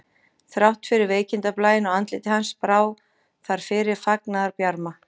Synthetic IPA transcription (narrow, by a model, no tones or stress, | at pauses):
θɾawht̪fɪɾɪɾveːjcɪnt̪aplaːjɪnɔwant̪lɪt̪ɪhanspɾaːw | θaɾ̥fɪɾɪɾ̥faknaðaɾpjaɾma